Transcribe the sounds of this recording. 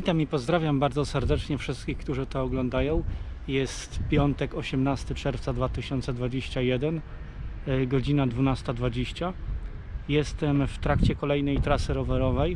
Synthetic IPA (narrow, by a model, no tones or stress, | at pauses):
vʲit̪amipɔzd̪ɾavʲjambaɾdzɔsɛɾd̪ɛt͡ʂɲɛfʂɘst̪̚kʲixkt̪uʐɘt̪ɔːɡlɔnd̪ajɔ̃w̃ | jɛst̪pʲjɔnt̪ɛkɔɕɛmnast̪ɘt͡ʂɛɾft̪sad̪vat̪ɘɕɔnt̪sɛd̪vad͡ʑeɕt͡ɕajɛd̪ɛn | ɡɔd͡ʑinad̪vunast̪ad̪vad͡ʑeɕt͡ɕa | jɛst̪ɛmft̪ɾakt͡ɕɛkɔlɛjnɛjt̪ɾasɘɾɔvɛɾɔvɛj